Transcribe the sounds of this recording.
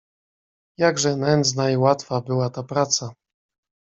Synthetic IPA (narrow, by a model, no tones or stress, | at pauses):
jaɡʐɛnɛnd̪znaiwat̪fabɘwat̪apɾat̪sa